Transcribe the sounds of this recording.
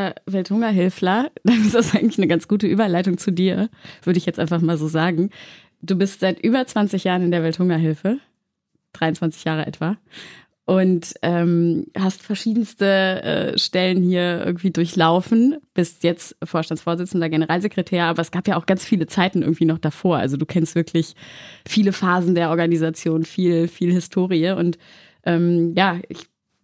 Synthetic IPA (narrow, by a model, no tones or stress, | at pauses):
vɛlthʊŋɐɦɪlflɐd̥anɪsd̥asʔaɪɡŋ̩tlɪçnəɡant͡sɡ̥uːtəʔyːbɐlaɪtʊŋt͡sudiːɐv̥ʏɐɾəɪçjɛt͡stʔaɪnfaχmaːlzoːzaːɡŋ̩ | d̥uːbɪstz̥aɪtʔyːbɐt͡sv̥ant͡sɪçjaːʁənɪndeːɐvɛlthʊŋɐɦɪlfə | d̥ʁaɪʊnt͡sv̥ant͡sɪçjaːʁ̞əʔɛ̰tv̥a | ʔʊntʔɛːmhastfɛɐʃiːdn̩stəʔɛ̰ːʃtɛlənhiːɐʔɪ̰ɡŋ̩tv̥iːdʊɐçlaʊfn̩b̥ɪstjɛt͡stfoːɐʃtant͡sfoːɐzɪt͡sn̩dɐɡenəʁaːlzekʁ̥etʰɛːɐʔaːbɐɛsɡ̥aːpjaːʔaʊxɡ̥ant͡sfiːlət͡saɪtn̩ʔɪɐɡŋ̩tv̥iːnɔχd̥afoːɐʔa̰lzoduːkʰɛnstvɪɐkʰlɪçfiːləfaːzn̩deːɐʔɔɐɡanizat͡sjoːnfiːlfiːlhɪstʰoːʁiəʔʊnt | ʔɛːmjaːɪ̰ç